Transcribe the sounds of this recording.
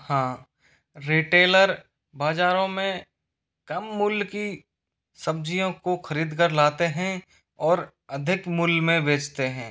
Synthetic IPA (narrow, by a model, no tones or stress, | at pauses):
hãː | ɾiːʈeːləɾ | baːd͡ʒaːɾõmẽ | kɐmːʊlki | sɐb̚d͡ʒijõkoxɐɾiːd̪kəɾlaːt̪eɦɛ̃ | ɔːɾ | ɐd̪ʱɪkmʊlmẽbʱeːt͡ʃt̪eɦɛ̃ː